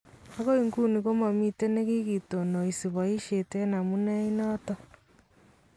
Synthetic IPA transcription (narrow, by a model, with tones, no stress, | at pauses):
a˦ɣo˦i˨ŋɡu˦ni˨ɣo˦ma˨mi˦te˦ne˦ɣi˦ɣi˨to˨no˨i˨si˨βa˨i˦ʃe˨te˦na˨mu˦na˦i˦nɔtɔ˦